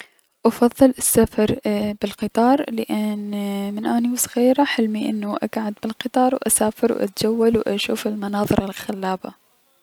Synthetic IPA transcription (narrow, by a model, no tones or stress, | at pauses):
ʔɑfɑðˤːɨlɪsːafɑɾˤbɪlqɨt̪ˤɑːɾˤlɪʔɪnmɪnʔaːniwsˤɣiːɾaħɪlmiʔɪ̰nːuʔa̰ɡʕad̪̚bɪlqɨt̪ˤɑːɾˤwʔa̰saːfɪɾwʔa̰t̪̚d͡ʒawːalwʔa̰ʃuːfɪlmɑnɑːðˤɨɾɑlxalːaːba